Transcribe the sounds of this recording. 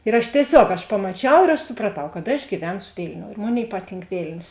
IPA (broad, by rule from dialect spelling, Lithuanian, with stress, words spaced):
ɪr ˈɐʃ tʲiɛˈsʲoːk ɐʃ pɐmɐˈt͡ʃʲɛʊ ɪr ɐʃ sʊprɐˈtɐʊ kɐt ɐʃ ɡʲiːˈʋʲɛnsʊ ˈʋʲɪlʲnʲoːʊ ɪr ˈmoːˌnʲeːɪ ˈpɑːˌtʲiːŋk ˈʋʲeːlʲnʲoːs